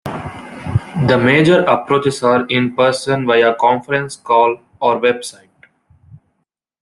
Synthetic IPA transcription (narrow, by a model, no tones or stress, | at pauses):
d̪əmeːd͡ʒəɾəpɾoːt͡ʃɪsaːɾɪ̃npəɾsə̃nʋaɪəkɔ̃ːnfəɾɛ̃nskɔːl | ɔːɾʋebsaɪʈ̚